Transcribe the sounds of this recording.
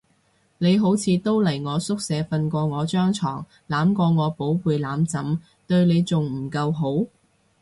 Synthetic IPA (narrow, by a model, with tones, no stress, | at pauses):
ne˨˧jɦo˨˥wt͡sʰiː˨˧t̪o˥wlɐ˨˩jŋɔː˨˧sʊ˥k̚sɛː˨˥fɐ˧nkʷɔː˧ŋɔː˨˧t͡ʃœː˥ŋt͡sʰɔ̰ː˨˩ŋ | laː˨˥mkɔː˧ŋɔː˨˧po˨˥wpuː˨jlaː˨˥mt͡sɐ˨˥m | t̪ɵ˧ɥne˨˧jt͡sʊ˨ŋm̩˨˩kɐ˧wɦo˨˥w